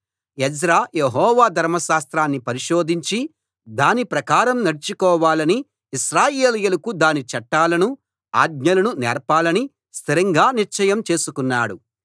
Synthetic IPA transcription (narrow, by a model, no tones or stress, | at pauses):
ɛd͡ʒɾaːjeɦɔːʋaːd̪ʱɐɾmɐʃaːst̪ɾaːnːipɐɾiʃoːd̪ʱiɲt͡ʃi | d̪aːnipɾɐkaːɾɐmnɐɽit͡ʃukɔːʋaːlɐniː | ʃɾaːjeːlɛjɐlɐkud̪aːnit͡ʃɐʈːaːlɐnu | a̰ːɡ̚ɲɐlɐnunɛːɾpaːlɐni | st̪ʰiɾɐŋɡaːniɾt͡ʃɐjɐmt͡ʃe̞ːsukunːaːɽu